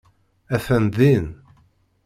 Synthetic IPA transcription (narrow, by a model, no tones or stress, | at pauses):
æθænd̪in